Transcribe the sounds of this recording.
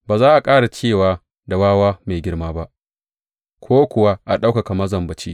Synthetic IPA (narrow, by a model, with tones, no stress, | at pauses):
baː˨zaː˦ʔa˨kʼaː˦ɽa˨t͡ʃeː˦˨waː˨ | da˨waː˦waː˦meː˨ɡʲɪ˦ɽmaː˦ba˦ʔ | kʷʰoː˦kʷʊ˨wa˦ʔa˨ɗa˦wka˨ka˨mɐ˦zɐ˨mbɐ˨t͡ʃi˦